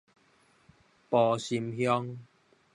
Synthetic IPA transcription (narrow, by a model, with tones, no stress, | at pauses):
pɔ˨ɕi˧mhjɔ˦ŋ